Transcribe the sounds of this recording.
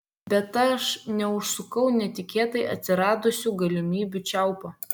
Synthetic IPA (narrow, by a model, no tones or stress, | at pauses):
bʲɛt̪ɐʃnʲɛʊʃsʊkɐʊnʲɛt̪ʲɪkʲeːt̪ɐɪʔɐ̰t̪ʲsʲɪɾɑːd̪ʊsʲuɡɐlʲɪmʲiːbʲut͡ʃʲɛʊpɐ